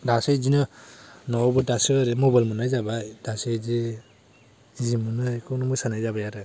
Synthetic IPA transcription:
dasajzinɯnɔbɯdasɯɾemɔbalmɯnajzabajd̥asejzi | zimɯnɯjkʰɯwnɯmujsanajzabajaɾɯ

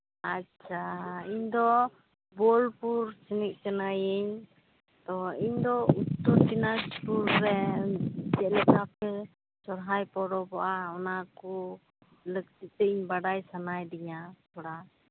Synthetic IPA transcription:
at͡ʃʰaiɲd̪ɔ | bɔlpuɾt͡ʃinik̚ˀt͡ʃənajəɲ | t̪ɔiɲd̪ɔut̪ːɔɾʈinaspuɾːɛ | d͡ʒɛʔlɛk̪apɛ | sɔɾɦajpɔɾɔbaʔaɔnakɔ | ləkt̪it̪̚t̪ɛiɲbaɖajsanajd̪iɲasɔɽa

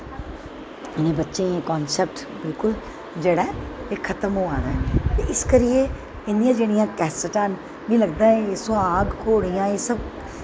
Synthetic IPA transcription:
ɪnẽːbətːʃẽẽːkɔːnsɛp̚ʈ | bɪlkʊl | d͡ʒeːɽaːekʰət̪əmɦoːãːd̪aːt̪eɪskəɾɪje | ɪnd̪ɪjãːd͡ʒeːɽ̃ijãːkɛːsəʈãn | ʋĩːləɡd̪aːẽesoaːɡkʰoːɽijãːeːsəb̚

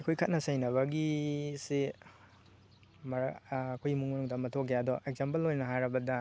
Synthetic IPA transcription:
ɐkʰojkʰɐt̚nɐsajnɐβɐɡisi | mɐkʰojmuŋmɐnuŋdɐmɐtʰokejadɔʔeɡ̚zempɐlːojnɐɦaɾɐbɐdɐ

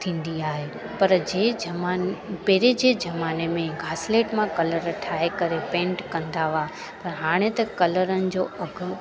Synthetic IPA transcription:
t̪ʰĩːn̆d̪iaːɦe | pɐɾd͡ʑeːɐmaːpɛɦɾed͡ʑeːd͡ʑɐmaːnemẽɡʱaːsleːʈmãkɐləɾʈʰaːekɐɾepẽːɳʈkɐ̃nd̪aʋa | pɐɾɦaːɽ̃et̪ɐkɐləɾənɪ̆d͡ʑoːɐɡʱʊ

